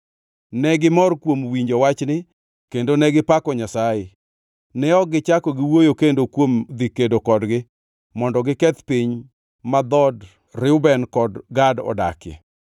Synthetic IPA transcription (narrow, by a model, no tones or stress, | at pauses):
nɛɡɪmɔrkwomwiɲd͡ʒowat͡ʃnɪ | kendonɛɡɪpakɔɲasaje | nɛɔɡɪt͡ʃakɔɡɪwojokendokwomd̪ikedokɔdɡɪ | mɔndɔɡɪkɛt̪piɲ | mad̪ɔd | ɾɪʊbɛnkɔdɡadɔ̰da̰kɛ̰